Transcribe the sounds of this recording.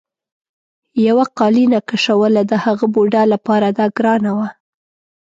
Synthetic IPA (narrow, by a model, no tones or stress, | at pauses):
jawaqɑlinakaʂawəlad̪əhaɣəboɖalapɑɾad̪ɑɡɾɑnawa